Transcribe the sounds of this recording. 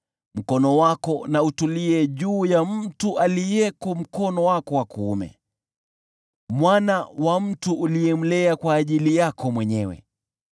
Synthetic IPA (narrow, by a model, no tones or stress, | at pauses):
m̩kɔnɔwakɔnautuliɛʄuːjam̩tuʔalijɛkɔm̩kɔnɔwakɔwakuːmɛ̰ | mwanawam̩tuʔːlijɛm̩lɛakwaːʄilijakɔmwɛɲɛwɛ̰